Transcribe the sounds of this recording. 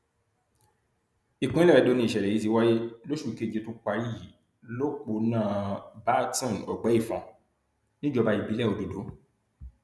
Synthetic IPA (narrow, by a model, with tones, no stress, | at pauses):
i˨kũ˨˦i˦lɛ˦ɾɛ˧do˧nĩ˧˦i˨ʃɛ˨ɾɛ˨i˨˦t̬i˨˧˦wa˦je˦lo˦ʃu˦˨˧ke˦˨d͡ʒe˧˦tũ˦k͡pa˧ɾi˦˨ | lo˦k͡po˧˦nãː˦˨ba˦tɔ̃˦˨nɔ˨ɡ͡bɛ˨˦i˦˨fɔ̃˧ | nĩ˦d͡ʒɔ˧ba˧i˨bi˨˦lɛ˦˨o˧do˨do˨˦